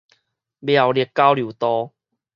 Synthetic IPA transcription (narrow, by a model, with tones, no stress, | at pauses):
bja˨˩wli˨˩t̚kːa˦˥wlju˨˩˦t̪ɔ˦